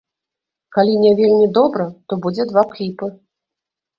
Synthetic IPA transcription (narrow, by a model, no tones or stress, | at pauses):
kalʲinʲɛvʲelʲmʲid̪ɔbɾɐt̪ɔbud͡zʲɛd̪vaklʲipɨ